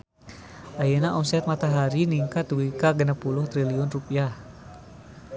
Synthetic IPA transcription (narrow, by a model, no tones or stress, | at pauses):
ʔajənaʔɔmsɛt̪̚mat̪aɦaɾiniŋkat̪̚duwikaɡənapulʊht̪ɾiliʊnrupiah